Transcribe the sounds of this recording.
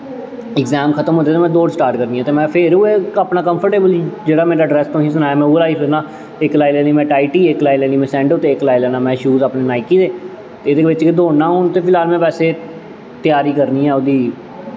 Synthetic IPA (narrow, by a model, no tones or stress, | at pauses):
ɪkzɛːmkʰət̪əmɦoːd̪eːt̪eːmɛ̃ːd̪oːɖsʈaːɾʈkəɾniːɛ̃ːt̪eːmɛ̃ːpʰɪɾʊeːapnaːkəmpʰəɾʈeːbəlid͡ʒeːɽaːmeːɾaːɖɾɛːst̪õːɦĩs̬ʊnaːjaːmɛ̃uːlaːiːpʰɪɾnaː | ɪklaːilɛːniːmɛ̃ːʈaːɪʈiːeklaːilɛːniːmɛ̃ːsɛ̃ːɳɖot̪eːklaːilɛːnãːmɛ̃ːʃuːzapneːnaːɪkiːd̪eː | t̪eɪd̪eːʋɪt͡ʃked̪oːaːɦoːnt̪eːpʰɪlaːlmɛ̃ːpɛːseː | t̪ɪjaːɾiːkəɾniːɦɛ̃ːʊd̪iː